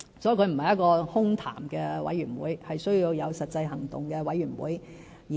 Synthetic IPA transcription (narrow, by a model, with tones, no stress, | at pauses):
sɔː˨˥˨kɵ˨˧ɥm̩˨˩hɐ˨˩jɐ˥t̚kɔː˧hʊ˥ŋt̪ʰa̰ː˨˩mkɛː˧wɐ̰˨˥jyː˨˩nwṵː˨˥jhɐ˨jsɥji˧wjɐ˨˧wsɐ˨t̚t͡sɐ˧jɦɐ˨˩ŋt̪ʊ˨ŋkɛː˧wɐ˨˥jɥyː˨˩nwṵː˨˥j | j